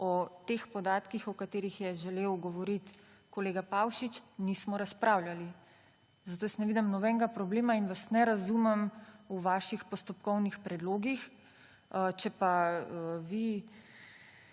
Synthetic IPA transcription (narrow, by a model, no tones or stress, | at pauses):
ɔt̪expɔd̪aːt̪kixɔkat̪eːɾixjɛʒɛleːwɡɔʋɔɾit̪ | kɔleːɡapawʃit͡ʃnismɔɾaspɾaːwljali | zat̪oːsnɛʋiːd̪ɛmnɔbɛŋɡapɾɔbleːmainʋasnɛɾazumɛmuʋaːʃixpɔst̪ɔpkɔwnixpɾɛd̪loːɡix | t͡ʃɛpa | ʋi